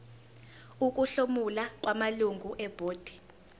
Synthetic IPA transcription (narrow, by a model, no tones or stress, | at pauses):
uk̬ʼuɬomulak̬ʼwamaluŋɡʱuʔɛb̥ʱoːd̥ʱi̥